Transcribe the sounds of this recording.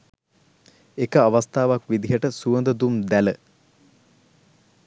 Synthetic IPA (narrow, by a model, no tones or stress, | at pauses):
ekəaʋast̪aːʋakʋid̪iɦəʈəsuənd̪əd̪umd̪ælə